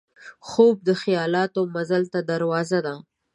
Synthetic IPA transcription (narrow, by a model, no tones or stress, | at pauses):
xob̚d̪əxijɑlɑt̪omazalt̪ad̪aɾwɑzad̪a